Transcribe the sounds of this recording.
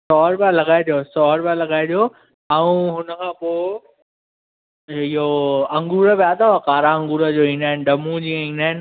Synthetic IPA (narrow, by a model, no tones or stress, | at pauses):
sɔːɾpãlɐɡaːɪd̪joːsɔːɦɾpãlɐɡaːɪd̪joː | ɛũɦʊnəkʰãːpoːɪ | ɪɦoɐ̃ŋɡuːɾəbiaːt̪aʋakaːɾaɐ̃ŋɡuːɾəd͡ʑoːĩːnaːɦɪnɖɐmũd͡ʑiːãĩːnaːɦɪn